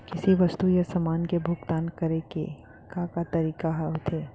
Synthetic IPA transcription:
kɪsiʋɐst̪ujasɐmaːnkebʱʊɡt̪aːnkɐɾekḛ | kãkat̪ɐɾiːkaɦɛɦot̪ʰeː

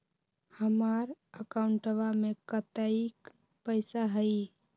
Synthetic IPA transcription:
həmaɾəkaʊuɳʈəβamekət̪əik | pəɪsaɦəj

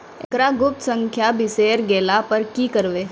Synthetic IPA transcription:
ekɾaɡʊp̚t̪sə̃ŋkʰjabɪseːɾɡeːlapəɾkiːkəɾʋeː

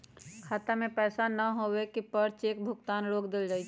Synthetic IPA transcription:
kʰaːt̪amẽpɛːsanɐɦoːwekipəɾt͡ʃeːk̚bʱʊɡt̪aːnɾoːkd̪ɪld͡ʒaːit͡ʃː

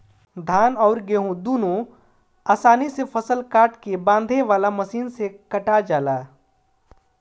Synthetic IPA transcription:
d̪ʱaːnɔːɾɡeːɦũd̪uːnõ | aːsaːnisepʰəsəlkaːʈkebãːnd̪ʱeʋaːlaməsiːnsekəʈad͡ʒaːlaː

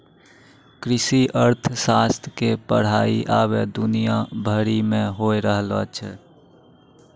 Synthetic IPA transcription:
kɾɪsiʔəɾt̪ʰəsast̪ʰkepə̰ɽ̤aːiʔaːβed̪unijabʱəɾimẽɦoeɾəɦlə̰t͡ʃʰɛ

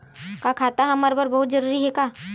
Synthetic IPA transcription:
kakʰaːt̪aɦɐməɾbəɾbɐɦʊt̪̚d͡ʒɐɾuːɾiɦɛkaː

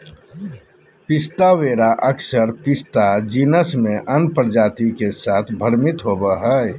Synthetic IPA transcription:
pɪst̪aweːɾaʔəksəɾpɪst̪ad͡ʒinəsmẽʔənpəɾd͡ʒaːt̪ikesaːt̪ʰbʱəɾmit̪ɦobəɦə

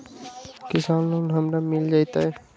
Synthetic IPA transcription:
kɪsanlonɦəmɾamild͡ʒaːjt̪aɛ

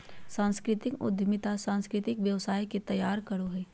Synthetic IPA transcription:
sãːnskɾɪt̪ɪkʊ̰d̪ʱmɪt̪asãːnskɾɪt̪ɪkʋjəʋsaːjket̪ɐjaːɾkɐɽoɦɛː

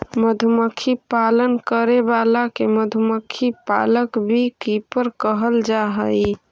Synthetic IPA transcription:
məd̪ʱuməkʰipalənkəɾebalakeməd̪ʱuməkʰːipa̰ləkbʱikipəɾkəɦəld͡ʒaɦəj

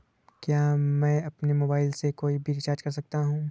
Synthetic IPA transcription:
kjaːmɛ̃ːɐpnemoːbaːɪlsekoːibʱiɾɪt͡ʃaːɾd͡ʒkɐɾsɐk̚t̪aɦũː

